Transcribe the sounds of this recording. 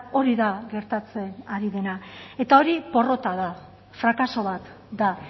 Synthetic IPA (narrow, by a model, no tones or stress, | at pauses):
o̞ɾiðaɣe̞ɾt̪at͡se̞naɾiðe̞nae̞t̪ao̞ɾipo̞ro̞t̪aða | fɾakaso̞βat̪ | d̪a